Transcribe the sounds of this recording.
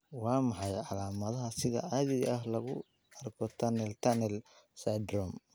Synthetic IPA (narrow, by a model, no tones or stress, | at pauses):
wɑːmɑħɑjʕɑlaːmɐðɐɦɐsɪɣɐ̰ʕaðɪɣɐʔɐɦlɐɣʊ | ɐrkʰɔt̪ʰɐnɛlt̪ʰɐnɛlsajd̪rɔm